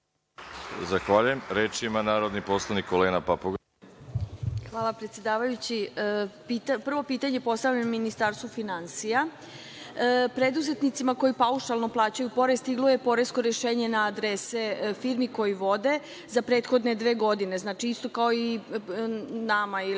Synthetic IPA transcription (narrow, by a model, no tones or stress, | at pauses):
zaxʋaʎujemɾeːt͡ʃimanaːɾod̪nipo̞slˠanikoleːnapapoɡ | xʋaːlˠapɾet̪sjed̪aːʋajut͡ɕipit̪apr̩ʋo̞piːt̪aɲe̞po̞st̪avʎammːinist̪aɾst̪ʋufinansija | pɾe̞d̪uze̞t̪nit̪simako̞jipauʃalno̞plˠaːt͡ɕajupo̞ɾest̪iɡluje̞po̞ɾesko̞ɾeʃe̞ːɲe̞naːd̪ɾesefiɾmiko̞jiʋo̞d̪e̞ | zapɾe̞ːt̪xo̞d̪ne̞d̪ʋe̞ːɡo̞d̪ine̞znaːt͡ʃiist̪o̞kao̞i | namai